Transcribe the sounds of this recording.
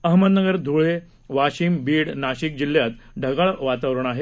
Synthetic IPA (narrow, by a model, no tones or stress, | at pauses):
əɦməd̪nəɡəɾd̪ʱuɭe | ʋaɕiːmbiːɽnaɕik̚d͡ʑilːjat̪ɖʱəɡaɭʋat̪aʋɾəɳ̃aɦe